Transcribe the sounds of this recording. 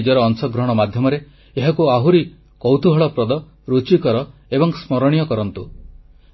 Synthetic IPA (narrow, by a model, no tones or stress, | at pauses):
d͡ʒɔɾɔːnsɔɡɾɔɦɔɽ̃ɔmad̪ʱjɔmɔɾe | eɦakuaɦuɾi | kɔwt̪uɦɔɭɔpɾɔd̪ɔ | ɾut͡ʃikɔɾɔebɔŋsmɔɾɔɽ̃ijɔkɔɾɔnt̪u